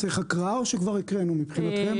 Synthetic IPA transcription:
t͡seχakʁaoʃekvaʁikʁenumipχinat̪em

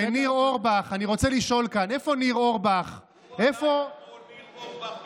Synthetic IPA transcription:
niʁo̞ʁbaχaniʁo̞t͡seliʃo̞lkane̞fo̞niʁo̞ʁbaχ | efo̞

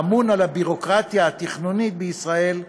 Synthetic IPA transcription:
munalabiʁo̞kʁat̪jaːt̪iχnunit̪̚beisʁae̞l

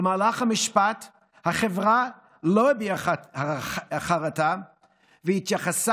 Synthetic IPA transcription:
əmaːlaχhamɪʃpat | haχevʁa | lobia | aχaʁata | vəhɪt̪jaχasa

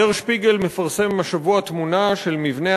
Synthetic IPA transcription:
eʁʃpiɡe̞lmefaʁse̞mːaʃavuat̪munaʃe̞lmivne̞

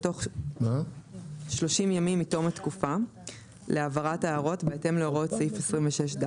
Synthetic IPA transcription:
to̞χma | ʃlo̞ʃimjamimːito̞matkufa | leavaʁataːʁo̞tbeete̞mleoʁotsifesʁimveʃeʃda

